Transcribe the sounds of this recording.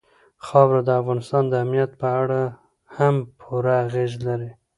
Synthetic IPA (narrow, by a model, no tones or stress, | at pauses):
xɑwɾad̪əafɣɑnɪst̪ɑnd̪əamnijat̪̚pəaɽa | hampʰuɾaːɣezlaɾi